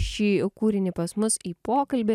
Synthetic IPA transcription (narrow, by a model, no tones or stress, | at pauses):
ʃʲiːkuːɾʲɪnʲɪpɐsmʊsiːpoːkɐlʲbʲe